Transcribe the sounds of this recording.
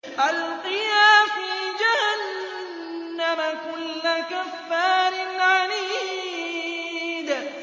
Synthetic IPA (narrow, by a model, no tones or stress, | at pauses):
ʔalqɨjaːfiːd͡ʒahanː | amakʊlːakafːaːɾɪnʕadiː | d̪